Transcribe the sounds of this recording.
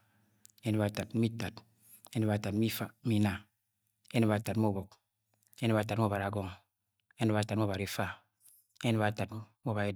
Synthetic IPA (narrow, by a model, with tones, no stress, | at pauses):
e˦ni˨˦βa˨ta˨tmi˦ta˨t | e˦ne˦βa˨ta˨tmi˦fa˨˦mi˦na˨ | e˦ne˦βa˨ta˨tm˦o˦bo˨k̚ | e˦ne˦ba˨˦ta˨tm˦o˦˨βa˨ɾa˨ɡɔ˦˨ŋ | e˦ne˦βa˨ta˨tmo˦βa˨ɾi˨fa˦˨ | e˦n˨βa˨ta˨to˦βa˨je˦